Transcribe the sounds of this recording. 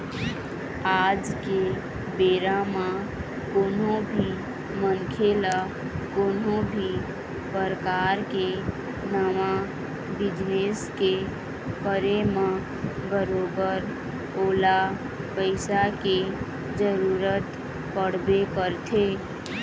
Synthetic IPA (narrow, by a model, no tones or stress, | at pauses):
ad͡ʒke | beɾama | koːnobʱi | mənkʰela | konobʱi | pəɾkaɾke | nəma | bid͡ʒneske | pəɾema | bəɾobəɾ | oːla | pəɪsake | d͡ʒəɾuɾət̪ | pəɽ̤bekəɾt̪ʰe